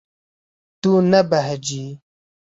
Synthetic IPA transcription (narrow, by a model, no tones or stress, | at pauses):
t̪unɐbɐɦd͡ʑi